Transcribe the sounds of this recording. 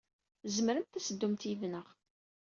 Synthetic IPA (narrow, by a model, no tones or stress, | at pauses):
zəməɾənt̪θæsəd̪ːumt̪ivnəʁ